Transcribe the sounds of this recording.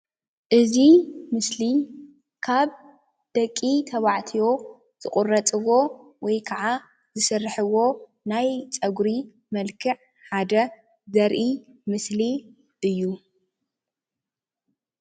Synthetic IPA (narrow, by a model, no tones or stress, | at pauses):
ʔɨzimɨsli | kʰaβ | d̪̥ɐkʼːit̪ʰɐβaʕt̪ʰijo̞ | z̥ɨqʼʊrːɐt͡sʼɨwo̞wɔjkʰɐʕa | zɨsɨrːħɨwo̞ | najt͡sʼɐɡɾi | mɐlkʰɨʕ | ħad̪ɐ | zɐɾʔi | mɨsli | ʔɨjːu